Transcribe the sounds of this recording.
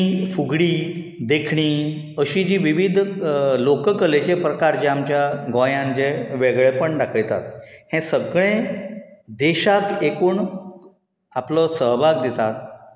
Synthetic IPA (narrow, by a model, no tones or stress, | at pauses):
ifuɡɽiː | d̪ekʰɳ̃iː | əɕiːd͡ʑiːʋiʋid̪ʱlokəkəlet͡ɕepɾəkaɾt͡ɕeamt͡ɕjaɡɔ̃jãnd͡ʑeʋeɡɭepəɳɖakʰəjt̪a̰t̪hɛ̃səɡɭẽ | d̪eɕakekuːɳ | aplɔsəɦbʱaɡd̪et̪at̪̚